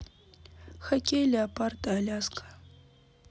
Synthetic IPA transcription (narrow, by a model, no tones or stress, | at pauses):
xɐkʲʼejlʲaːpʼartʼaːlʲaskʰʼḁ